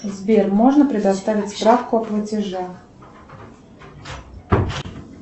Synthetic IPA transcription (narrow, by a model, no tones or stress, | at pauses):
zvʲermo̞ʐnəpɾʲɪd̪ɐst̪avʲɪtʲspɾafkʊɐplˠətʲɪʐax